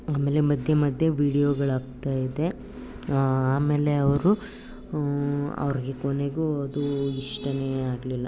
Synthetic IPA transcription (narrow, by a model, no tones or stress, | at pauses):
aːmeːle̞mɐd̪ʱjemɐd̪ʱjeʋiːɽijoɡɐɭaːɡt̪aːjid̪e̞ | aːme̞ːle̞ɐʋɐɾu | ɐ̰ʋɐɾiɡe̞koneɡuɐd̪uiʂʈɐneːaːɡlilːɐ